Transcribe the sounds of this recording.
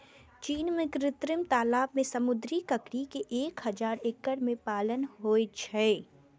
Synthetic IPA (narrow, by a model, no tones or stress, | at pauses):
t͡ʃiːnmẽkɾɪt̪ɾɪmt̪aːlaːbmẽsɐmʊd̪ɾikɐkɽikeʔeːkhɐzaːɾekːəɽmẽpaːlənɦoːet͡ʃʰɛː